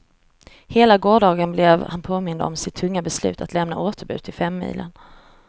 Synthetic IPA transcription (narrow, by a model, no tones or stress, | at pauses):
heːlaɡoːɖɑːɡənblɛvhanpʰoːmɪnd̪ə̰ɔmsɪt̪ʰːɵŋːabɛslʉ̟̰ːt̪ʰat̪lɛmna̰ʔoːt̪əɾbʉ̟ːt̪ʰɪlfɛmːḭːlʔə̰n